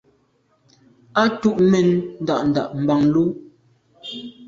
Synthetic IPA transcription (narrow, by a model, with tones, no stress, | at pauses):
a˦tu˦˨ʔmɛ˨nn̩˦da˦˨ʔn̩˨da˨ʔm̩˨ba˨ŋlu˦